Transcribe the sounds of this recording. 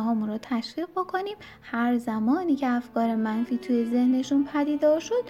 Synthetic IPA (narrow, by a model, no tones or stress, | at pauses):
ɦɒːmunɾɔːt̪ʰæʃviːʁbo̞kʰo̞niːm | hæɾzæmɒːniːcʰeæfkɒːɾe̞mænfiːt̪ʰuːje̞ze̞hne̞ʃunpʰæd̪iːd̪ɒːɾʃo̞d̪̥